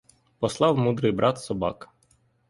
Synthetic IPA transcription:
pɔslˠɑwmud̪ɾɪjbɾʔɑt̪sɔbɑ̰k

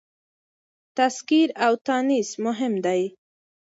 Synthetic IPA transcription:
t̪askiɾawt̪anismʊɦɪmd̪aj

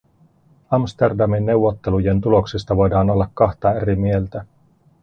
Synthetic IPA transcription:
ɑmst̪erdɑminːe̞uwʋːo̞t̪ːe̞luje̞nt̪ulo̞ksist̪ɑʋo̞jdɑːno̞lːɑkːɑxt̪ɑeɾimie̞lt̪æ

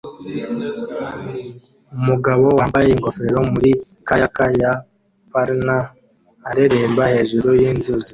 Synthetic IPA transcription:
umuɡaβo̞waːmbajeŋɡo̞fe̞ɾo̞muɾi | kajakaja | paɾnaː | ɾeɾeːmbahe̞ːʒuɾujiːnzuzi

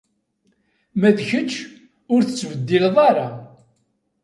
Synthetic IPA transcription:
mæðçət͡ʃː | ʊɾθət͡sːvəd̪ːilðˤɑɾˤɑ

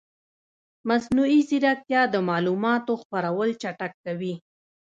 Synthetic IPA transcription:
masnuiziɾak̚t̪jɑd̪əmɑlumɑt̪oxpaɾawəlt͡ʃaʈakːawi

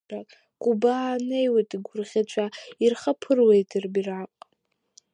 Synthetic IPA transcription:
akʼ | ɡʷʼubaːne̞jwetʼiɡʷʊrʁʲat͡ʃʷʰairχapʰɨrwe̞jtʰɨrbiraqʼ

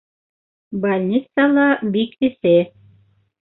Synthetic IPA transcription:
balʲnʲit̪salˠɑbikɘ̆θɘ

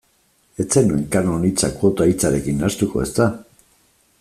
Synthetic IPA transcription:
e̞t͡senue̞ŋkaɾnonit͡sakuot̪ait͡saɾe̞kinast̪uko̞̰e̞st̪a

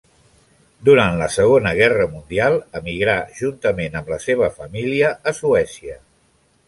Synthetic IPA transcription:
d̪uɾant̪ləsəɣ̞onəɣɛrəmund̪ialˠəmiɣɾaʒ̥unt̪əmenəmləseβ̞əfəmiliəʔːsuɛsiə

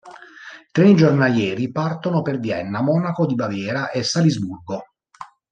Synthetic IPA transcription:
t̪ɾenid͡ʒornaljɛːɾipart̪onoperd̪jɛnːamɔːnakod̪ibavjɛːɾaʔesːalizburɡo

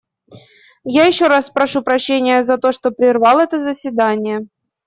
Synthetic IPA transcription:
jajɪɕːo̞ɾaspɾɐʂupɾɐɕːenʲɪjəzɐt̪o̞ʂt̪o̞pɾʲɪrvɑlˠɛt̪əzəsʲvʲɪd̪anʲɪjə

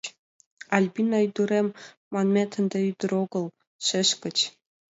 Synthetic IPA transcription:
ɑlʲbʲinɑyd̪uɾemː | ɑnmʲet̪ʰə̆nd̪eyd̪ɘ̆ɾoɡɤ̆lˠ | ʃɘ̆ʃkɘ̆t͡ɕ

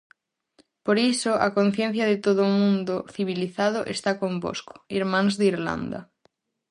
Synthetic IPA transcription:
poɾisoʔakon̟θjen̟θjaðet̪oðomũnd̪oθiβ̞iliθað̞oʔest̪akombo̰sko̥iɾmãŋzðiɾla̰nd̪a̰

